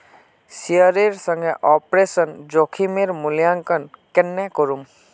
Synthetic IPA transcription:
siəɾeɾsəŋɡɛʔɔpɾesənd͡ʒokʰimeɾmuljaŋkənkɛnːɛkɔɾum

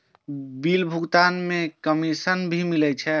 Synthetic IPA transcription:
bilbʱuɡt̪anmẽkəmisənbʱimilɛt͡ʃʰɛ

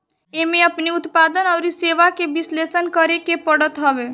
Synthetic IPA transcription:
emẽəpniʊt̪paːd̪ənɔːɾiseːʋakebɪsleːsənkəɾekepəɽət̪ɦəbeː

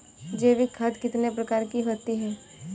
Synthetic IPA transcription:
d͡ʒeːʋikʰəd̪kɪt̪nepɾɐkaːɾkiɦoːt̪iɦɛː

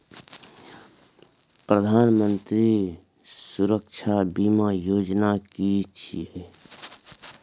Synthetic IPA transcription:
pɾəd̪ʱaːnmənt̪ɾi | suɾəkt͡ʃʰabimajoːd͡ʒnakit͡ʃʰie

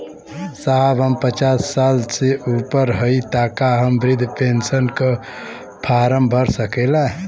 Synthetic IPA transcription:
saɦəbʱɦəmpət͡ʃasːalseupəɾɦəit̪akaɦəmbɾɪd̪ʱpensənkə | pʰaɾəmbʱəɾsəkɛla

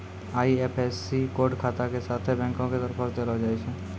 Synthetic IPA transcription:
aːieːpʰɛːsikoːɾɖkʰaːt̪akesaːt̪ʰebɛ̃ːŋkõked̪əɾpʰəɾd̪elod͡ʒaːiʃɛ̃ː

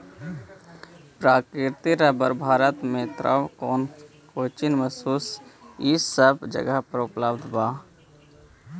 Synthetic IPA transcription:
pɾaːkɾɪt̪iɾəbəɾbʱaːɾət̪mẽt̪ɾʔə̰wkɔːn | koːt͡ʃinməsuːsisəbd͡ʒə̰ɡəɦpɾəʊpləbd̪baː

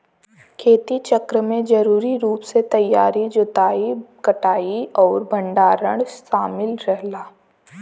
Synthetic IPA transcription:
kʰeːt̪it͡ʃɐkɾəmẽd͡ʒɐɾuːɾiɾuːpset̪ɐjːaːɾid͡ʒʊt̪aːikɐʈaːiɔːɾbʱɐ̃ɳɖaːɾəɽʃaːmɪlɾɛɦlaː

